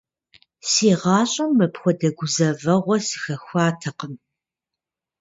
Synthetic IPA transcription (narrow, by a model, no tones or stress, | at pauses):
siːʁɑːɕʼɐmːɐpxʷɔdɐɡʷʊzɐvɐʁʷɔsɨ̥xɐxʷɑːtʰɐqəm